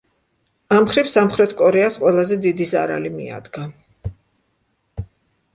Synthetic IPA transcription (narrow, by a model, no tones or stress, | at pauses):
amχɾifsamχɾɛt̪ʰkʼɔɾɛasqʼwɛlˠazɛd̪id̪iza̰ɾa̰limia̰d̪ɡa